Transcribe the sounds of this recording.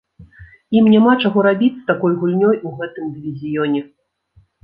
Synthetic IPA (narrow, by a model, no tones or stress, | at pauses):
imnʲamat͡ʂaɣɔɾabʲit͡st͡sʲsʲt̪akɔjɣulʲnʲɔjuɣɛt̪ɨmd̪ɨvʲizʲijɔnʲɛ